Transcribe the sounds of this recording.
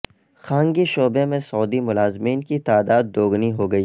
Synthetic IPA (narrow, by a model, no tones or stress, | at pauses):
xãːŋɡiʃoːbemẽsɔːd̪imʊlaːzmiːnkit̪aːd̪aːd̪ːoːɡniɦoːɡɐiː